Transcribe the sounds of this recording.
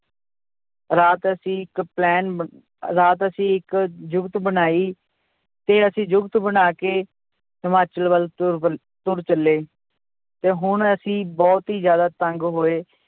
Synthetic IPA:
ɾaːt̪əsĩːɪkplɛːn | ɾaːt̪əsĩːɪkd͡ʒʊkt̪bənaːiː | t̪eːəsĩːd͡ʒʊkt̪bənaːkeː | səmaːt͡ʃəlʋəl | t̪ʊɾt͡ʃəlːeː | t̪eːɦʊɳəsĩːbɔːt̪ɦiːd͡ʒjaːd̪aːt̪əŋɡɦoːeː

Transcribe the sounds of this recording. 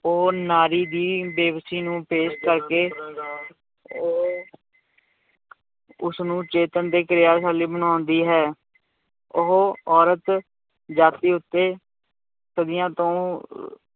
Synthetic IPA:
oːnaːɾiːd̪iːbeːʋsiːnũːpeːskəɾkeː | oː | ʊsnũːt͡ʃeːt̪ənd̪eːkəɾɪjaːsaːliːbənaːnd̪iːɦɛː | ʊɦoɔːɾət̪ | d͡ʒaːt̪iːʊt̪ːeː | səd̪ɪjãːt̪õː

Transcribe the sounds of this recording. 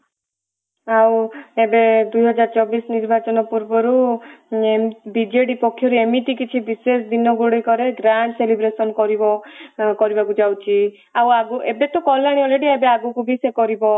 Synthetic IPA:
awebed̪ujɦɔd͡ʒaɾt͡ʃɔbisniɾbʱat͡ʃɔnɔpuɾbɔɾu | embid͡ʒeɽipɔkʰːjɔɾuemiʈikit͡ʃʰibisesd̪inɔɡuɽɔjkɔɾeɡɾaɳʈselibɾesɔnkɔɾibɔkɔɾibakud͡ʒawt͡ʃʰi | awaɡuʔebet̪ɔkɔlaɽ̃iɔleʈiebeaɡukubʱisekɔɾibɔ

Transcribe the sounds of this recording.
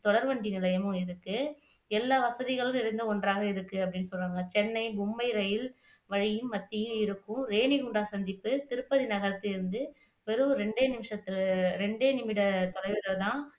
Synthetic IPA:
t̪ɔɽɐɾʋɐɳɖinɪlɐjɐmɯ̃ɪɾɯkːɯ | ɛlːaːʋɐsɐðɪɣɐɭɯ̃ɪɾɐɪnd̪ɯkɔɳɖraːɣɐɪɾɯkːɯɐpːɐɽɪnːɯsɔlraːŋɡɐt͡ʃɛnːɐɪbʊmbɐɪɾɐjɪl | ʋɐɻɪjɯmːɐt̪ːɪjɯ̃ɪɾɯkːɯ̃ɾeːɳɪɣuɳɖaːsɐnd̪ɪpːɯt̪ɪɾɯpːɐðinɐɣɐɾɐt̪ːɯɪɾɯnd̪ɯ | ʋɛɾɯɾɛɳɖeːnɪmɪʂɐt̪ːɪɾɛɳɖeːnɪmɪɽɐt̪ɔɽɐɾʋɪɽɐt̪ãː

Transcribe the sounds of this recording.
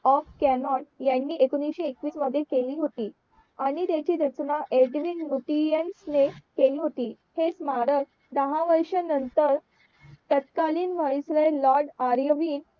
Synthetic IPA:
ɔfkɛmɔnjanːiːʔekonisɕiekʋiːsməd̪ʱːjekeliːɦot̪iː | aɽ̃it̪jat͡ɕiːɾət͡snaʔeɖʋinluʈiənsnekeliːɦot̪iː | het͡smaɾəɾ | d̪əɦãʋəɾɕənənt̪əɾ | t̪ət̪kaliːnm̤əɭisləlɔɾɖaɾjəʋiːn

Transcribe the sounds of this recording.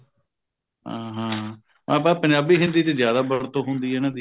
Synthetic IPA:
ɦãːɦãː | mã̰ːpɛ̃ːpənd͡ʒaːbiːɦɪ̃nd̪iːt̪eːzjaːd̪aːbəɽt̪oːɦʊnd̪iːɛːnãːd̪iː

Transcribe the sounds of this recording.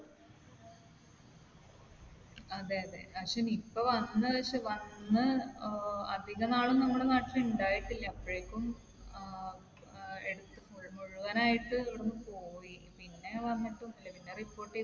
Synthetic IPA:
ɐðeːɐðe̞̰ɐkʂemipːoʋɐnːɨɐkʂeʋɐnːɨ | ɐ̰d̪ʱiɣɐnaːɭumnɐmːuɽenaːʈːilɐuɳɖaːjiʈːilːɐɐpːoɻekʲːum | eɽut̪ːɨmuɻmoɻuɣɐnaːjiʈːɨʋɐɽnːɨpoːjipinːe̞ʋɐnːɐʈːɨunːilːɐpinːeripːo̞ːʈːi

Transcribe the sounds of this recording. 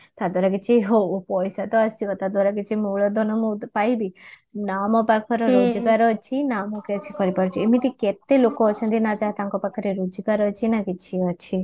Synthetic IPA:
t̪ad̪waɾaɡet͡ʃʰiɦopɔjsat̪ɔːsiʋɔt̪ad̪waɾaɡet͡ʃʰimuɭɔd̪ʱɔnɔmupajbi | namɔpakʰɔɾɔɾod͡ʒɡaɾɔt͡ʃʰinamɔket͡ʃʰikɔɾipaɾut͡ʃʰiemit̪iket̪elokɔːt͡ʃʰənd̪inad͡ʒat̪aŋkɔpakʰɔɾeɾod͡ʒɔɡaɾɔt͡ʃʰinakit͡ʃʰiɔt͡ʃʰi

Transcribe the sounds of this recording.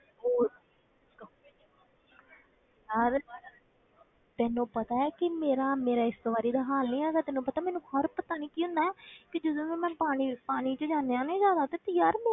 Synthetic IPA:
oː | jəɾ | t̪ɛːnõːpət̪aːɛːkɪmeːɾaːmeːɾaːɪst̪oːʋaːɾiːd̪aːɦaːlnĩːaːɡ̪aːt̪ɛːnũːpət̪aːmɛːnũːhəɾpət̪aːniːkiːɦʊ̃nd̪aːɛːkɪd͡ʒəd̪õːkiːmɛ̃ːpaːñipaːniːt͡ʃəd͡ʒaːneːãːnẽːd͡ʒjaːd̪aːt̪eːt̪ɪjaːɾmeː

